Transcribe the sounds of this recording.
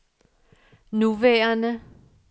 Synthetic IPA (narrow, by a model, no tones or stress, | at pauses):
nuʋɛːɐnə